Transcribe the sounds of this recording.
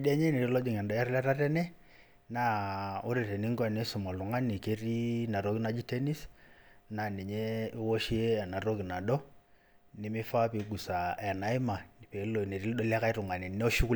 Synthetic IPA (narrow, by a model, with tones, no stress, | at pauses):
da˦ɲe˦ne˨ɾi˦lɔ˦d͡ʒi˨ŋɛ˨ndɔ˨˦ɛ˦ɾla˦ɾa˦tɛ˦nɛ˦ | na˦o˦ɾe˨te˨ni˦ŋɡɛ˨ne˦su˨mɔ˨lu˨ŋa˦ni˨ke˦ɾi˦na˨ɾo˦ki˦na˨d͡ʒi˦te˦ni˦sna˨ni˨ɲe˦i˦wo˦ʃi˦e˦a˨na˨ɾo˦ki˨na˨dɔ˦ | ni˨˦mi˦fa˦pi˨ɡu˨sa˨ɛ˨na˨˦i˦ma˨ni˨pe˨˦lo˨ne˨ɾi˦ɗo˦la˦ka˦i˦ɾu˨ŋa˨ne˨n˦o˦ʃu˦ku˦